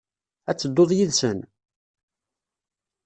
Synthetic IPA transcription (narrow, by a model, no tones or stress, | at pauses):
æt͡sːəd̪ːoðˤjiðsən